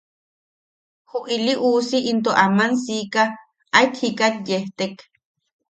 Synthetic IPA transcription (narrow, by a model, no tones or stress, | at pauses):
huʔiliʔuːsiʔint̪oʔamansika | ʔajt̪ʰhikat̪̚jeht̪ek